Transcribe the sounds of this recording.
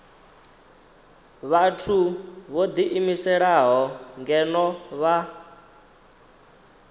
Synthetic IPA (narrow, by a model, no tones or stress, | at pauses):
βatʰuβod̪iʔimisɛɺaɦɔŋɡɛnɔβa